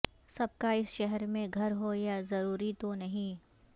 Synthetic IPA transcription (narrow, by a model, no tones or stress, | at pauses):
sɐb̚kaɪsʃɛɦɛɾmẽɡʱɐɾɦojazɐɾuːɾit̪onɐɦĩ